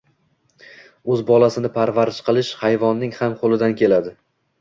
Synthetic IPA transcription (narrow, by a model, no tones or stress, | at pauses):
ɵzbɒlˠasɪnɪpʰaɾvaɾɪʃqɨlˠɪʃhajvɒnːɪŋhamqʰolˠɪd̪ankʲʰe̞lad̪ɪ